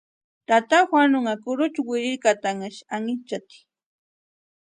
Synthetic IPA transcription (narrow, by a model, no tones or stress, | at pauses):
t̪at̪axwanʊŋakʊɾʊt͡ʃʊwɪɾɪkat̪aŋaʃaŋɪt͡ʃat̪i̥